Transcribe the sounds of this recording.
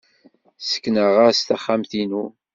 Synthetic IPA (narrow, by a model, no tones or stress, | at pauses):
sə̥kːnəʁast̪aχːamθinu